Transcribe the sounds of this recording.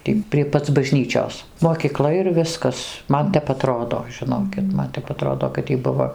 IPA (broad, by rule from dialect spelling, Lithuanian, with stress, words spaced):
ˈtʲiː pʲrʲiɛ ˈpɐt͡s bɐˈʒʲnʲiːt͡ʃʲoːs moːkʲiːˈklˠɐ ɪr ˈʋʲɪskɐs ˈmɐn ˈtʲɛp ɐˈtroːdoː ʒʲɪˈnoːkʲɪt ˈmɐn tʲɛp ɐˈtroːdoː kɐt ˈjiː ˈbʊʋoː